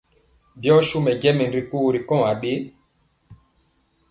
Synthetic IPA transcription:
bjɔ˦ʃu˦mɛ˨ɡɛ˦mɛ˨n˨ɾi˨ku˦˨ɾi˨kɔ̃˦˨a˨ɓe˦

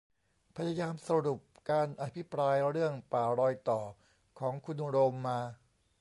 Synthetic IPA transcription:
pʰa˧ja˧jaː˧msa˧ɾu˨˩p̚kaː˧nʔa˧t̪ʰpʰi˦˥pɾaː˧jɾɯ˥˩əŋpaː˨˩ɾɔː˧jt̪ɔː˨˩ | kʰɔː˩˦ŋkʰu˧nɾoː˧mːaː˧

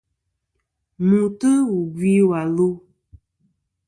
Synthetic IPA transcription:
mũ˨tə˦wu˨bi˦wa˨lo˦

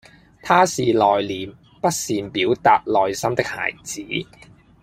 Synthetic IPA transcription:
t̪ʰaː˥siː˨lɔː˨jliː˨˩m | pɐ˥t̚siː˨npiː˨˥wt̪aː˨t̚lɔː˨jsɐ˥mt̪ɪ˥k̚ha̰ː˨˩jt͡siː˨˥

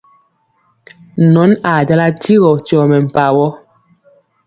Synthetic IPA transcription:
nɔ˨˦na˨d͡ʒa˦la˦ti˦ɣɔ˨tɔ˨mɛ˨m̩˨pa˨wɔ˦

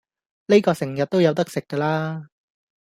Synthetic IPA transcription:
ne˥jkɔː˧sɪ˨˩ŋjɐ˨t̚t̪o˥wjɐ˨˧wt̪ɐ˥k̚sɪ˨kːɐː˧laː˥

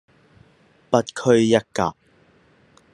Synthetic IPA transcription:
pɐ˧t̪̚kʰɵ˧ɥjɐ˥kːa̰˨ʔ̚

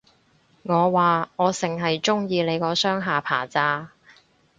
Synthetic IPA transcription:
ŋɔː˨˧waː˨ŋɔː˨˧sɪ˨˩ŋɦɐ˨jt͡ʃʊ˥ŋjiː˧le˨˧jkɔː˨˧sœː˥ŋɦaː˨pʰa̰ː˨˩t͡saː˧

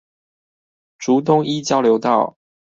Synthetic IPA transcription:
ʈ͡ʂu˨˦t̪̬ʊ˥ŋi˥˦t͡ɕjɑ˥ʊljo˨˧˥ʊt̪ɑ˥˩ʊ

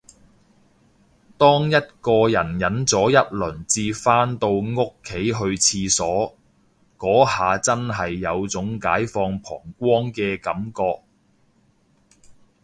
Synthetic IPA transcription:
t̪ɔː˥ŋjɐ˥t̚kɔː˧jɐ˨˩njɐ˨˥nt͡sɔː˨˥jɐ˥t̚lɵː˨˩ŋt͡siː˧faː˥nt̪o˧wŋʊ˥kʰːe˨˥jɦɵ˧ɥt͡sʰiː˧sɔː˨˥ | kɔː˨˥haː˨t͡sɐ˥nɦɐ˨jːɐ˨˧wt͡sʊ˨˥ŋkaː˨˥jfɔː˧ŋpʰɔ̰ː˨˩ŋkʷɔː˥ŋkɛː˧kɐ˨˥mkɔː˧k̚

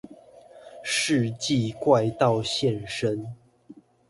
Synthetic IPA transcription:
ʂɻ̩˥˧t͡ɕi˥˨kwa˥˧ɪt̪ɑ˥˨ʊɕjɛ˥˨nʂə˦n

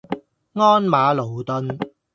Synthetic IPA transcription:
ŋɔː˥nmaː˨˧lo˨˩wt̪ɵ˧n

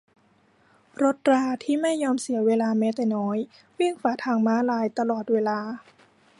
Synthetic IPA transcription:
ɾo˦˥t̪̚ɾaː˧t̪ʰiː˥˩ma˥˩jːɔː˧msi˨˩˦weː˧laː˧mɛ˦˥t̪ɛː˨˩nɔː˦˥j | wi˥˩ŋfaː˨˩˦t̪ʰaː˧ŋmaː˦˥laː˧jt̪a˧lɔː˨˩t̪̚weː˧laː˧

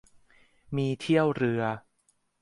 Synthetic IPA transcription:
miː˧t̪ʰi˥˩əwɾɯ˧ɐ

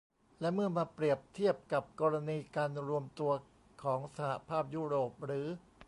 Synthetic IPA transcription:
lɛ˦˥ʔmɯ˥˩ɐmaː˧pɾi˨˩əp̚t̪ʰi˥˩əp̚ka˨˩p̚kɔː˧ɾa˧niː˧kaː˧nɾu˧əmt̪u˧ɐ | kʰɔː˩˦ŋsa˧ha˨˩pʰaː˥˩p̚juː˥˩ɾoː˨˩p̚ɾɯː˩˦

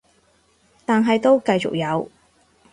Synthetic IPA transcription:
t̪aː˨nɦɐ˨jt̪o˥wkɐ˧jt͡sʊ̰˨k̚jɐ˨˧w

